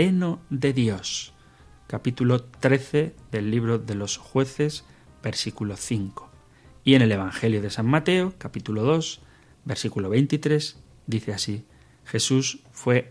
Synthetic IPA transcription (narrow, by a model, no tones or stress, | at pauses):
enoðe̞ðjo̞s | kapit̪ulo̞t̪ɾe̞θe̞ðe̞lːiβ̞ɾo̞ðe̞lo̞sxwe̞θe̞z | be̞ɾsikulo̞θiŋko̥ | ie̞ne̞le̞β̞aŋxe̞ljoð̞e̞sammat̪e̞okapit̪ulo̞ðo̞s | be̞ɾsikulo̞βe̞jnt̪it̪ɾe̞s | d̪iθeasi | xe̞susfwe̞